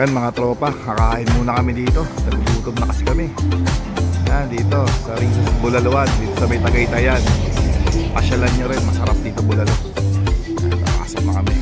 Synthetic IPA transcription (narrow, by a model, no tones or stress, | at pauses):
janmɐŋat̪ɾo̞ːpɐkɐkaːʔɪnmuːnɐkɐmɪd̪iːt̪o̞nɐɡd̪uːt̪omnɐkɐsɪkɐmɪ | jad̪iːt̪o̞sɐɾɪŋbʊlɐloʔand̪iːt̪osɐmɐjt̪ɐɡɐjt̪ɐjan | kɐʃɐlanɲoɾɛnmɐsɐɾap̚d̪iːt̪obʊlɐlo | at̪ɐ̰a̰ːsɐmɐkɐmɛ